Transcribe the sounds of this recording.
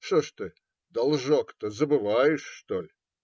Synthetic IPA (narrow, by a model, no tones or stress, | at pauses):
ʂoʂt̪ɨ | d̪ɐlˠʐokt̪əzəbɨvajɪʂːt̪olʲ